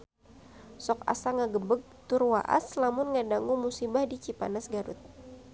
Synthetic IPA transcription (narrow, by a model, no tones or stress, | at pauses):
sɔka̰saŋaɡəbəɡ̚t̪ʊrwa̰ʔa̰slamʊnŋadaŋumusibahdit͡ʃipa̰nasɡaɾʊ̰t̪̚